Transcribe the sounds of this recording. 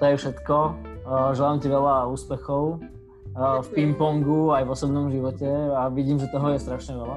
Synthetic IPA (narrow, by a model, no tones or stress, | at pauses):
t̪ɔjɛfʃɛt̪kɔ | ʒɛlaːmciʋɛlauːspɛxɔʊ | fpimpɔŋɡuajvɔsɔbnɔmʒiʋɔcɛaʋiɟiːmʒɛt̪ɔɦɔjɛst̪ɾaʃɲɛʋɛla